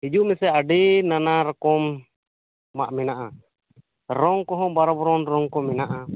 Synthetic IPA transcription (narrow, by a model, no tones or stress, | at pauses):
hid͡ʒumɛsɛaɖɛnanaɾɔkɔmː | a̰ʔmɛnaʔa | ɾɔŋkɔɦɔ̃baɾɔbɔɾɔnɾɔŋkɔmɛnaʔa